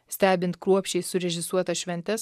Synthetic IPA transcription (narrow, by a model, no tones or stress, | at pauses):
sʲt̪ʲæːbʲɪnt̪kɾuɔpʲʃʲt͡ʃʲɛɪsʊɾʲɛʒʲɪsuɔt̪ɐʃʲʋʲɛnʲt̪ʲɛs